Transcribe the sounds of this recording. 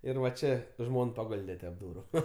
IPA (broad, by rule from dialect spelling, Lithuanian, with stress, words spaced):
ˈɪr ʋɐ ˈt͡ʃʲeː ˈʒmoːn pɐˈɡoːlʲdʲɛ tʲɛp ˈduːrʊ